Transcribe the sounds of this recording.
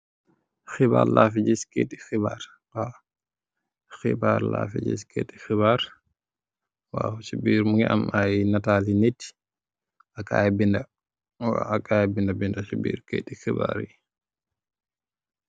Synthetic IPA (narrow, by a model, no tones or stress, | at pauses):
xiba̰ːɾlaːfiɟiskeːtːixibaːɾ | wa | xḭbaːɾla̰ːfiɟḭskʰɛtːi̥xibaːɾ | wasibiːɾmuŋɡɛʔɐ̰majnataːlinit | ɐka̰jbindɐ | wakʰaːjbindɐbindɐsubḭːɾkɛ̰ːtixiba̰ːɾji